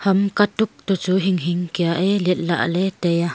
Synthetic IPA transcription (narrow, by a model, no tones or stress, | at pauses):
hɐmkat̪uk̚t̪ut͡suɦiŋɦiŋkiaʔɛlɛt̪̚la̰ʔlɛtɛja